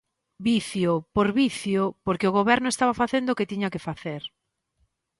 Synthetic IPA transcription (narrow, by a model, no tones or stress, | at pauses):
biθjopoɾβiθjopoɾkeoɣ̞oβɛɾnʊest̪aβafaθend̪ʊoket̪iɲakefaθeɾ